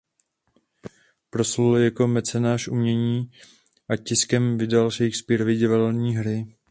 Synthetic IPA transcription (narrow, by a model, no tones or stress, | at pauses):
pɾo̞sluljako̞mɛt͡sɛnaːʃʔṵmɲɛɲiː | ʔacɪskɛmvɪdalʃɛjkspiːɾovɪɟɪvalɲiːɦɾɪ